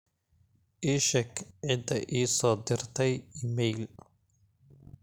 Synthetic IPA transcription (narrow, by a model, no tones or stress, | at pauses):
ʔiːʃɐkʰʕɪd̪ɐʔiːsɔːd̪ɪrt̪ʰɛjɪmɛjl